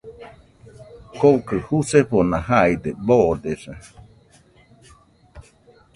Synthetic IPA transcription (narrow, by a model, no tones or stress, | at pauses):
kowkɨhuseɸonãɦaid̪ebod̪eɾa